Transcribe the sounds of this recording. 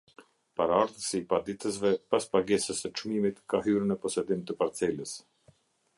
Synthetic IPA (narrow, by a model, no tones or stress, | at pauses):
paɾaaɾðəsiːpad̪it̪əs̬vɛpaspaɡɛsəsət͡ʃmimit̪kaɦyɾnəpɔsɛd̪imt̪əpaɾt͡sɛləs